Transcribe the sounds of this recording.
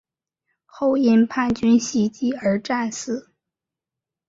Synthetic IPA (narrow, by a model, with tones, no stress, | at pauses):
xo˥˧ʊɛ˥˧npʰa˥˩nt͡ɕy˥nɕi˥˩t͡ɕi˥˩ə˞˧˥ʈ͡ʂa˥˧nsɹ̩˥˩˦